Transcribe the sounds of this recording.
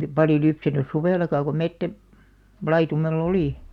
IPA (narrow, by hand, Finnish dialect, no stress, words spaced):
pɑljo lypsænys suʋeˑlɑkɑ ko metːæ lɑitumelː oliˑ